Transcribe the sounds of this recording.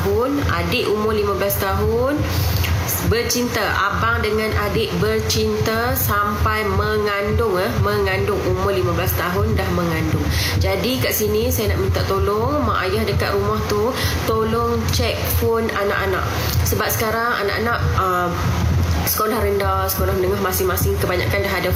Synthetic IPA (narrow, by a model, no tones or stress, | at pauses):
ɦʊna̰dɪʔumʊrlimablast̪aɦʊn | bərt͡ʃint̪aʔa̰paŋdəŋanʔadɪʔbərt͡ʃint̪a | sampajməŋandʊŋəhməŋandʊŋumʊrlimablast̪aɦʊndahməŋandʊŋd͡ʒadikaʔsinisajanaʔmint̪aʔt̪olʊŋmaʔajahdəkaʔ̪ɾumɔht̪u | t̪olʊŋ | t͡ʃɛk̚fonana̰ʔanã̰ʔ | səbap̚sə̥kaɾaŋa̰na̰ʔanaʔə | m | sə̥kolahɾəndasə̥kolahmənəŋaɦmasɪŋmasɪŋkəbaɲakandaɦada